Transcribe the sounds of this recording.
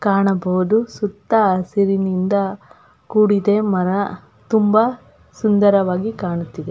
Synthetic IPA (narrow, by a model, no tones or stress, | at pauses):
kaːɳɐbɐʋud̪usut̪ːɐsiɾinind̪ɐ | kuːɽid̪emɐɾɐ | t̪umbɐ | sund̪ɐɾɐʋaːɡikaːɳut̪ːid̪e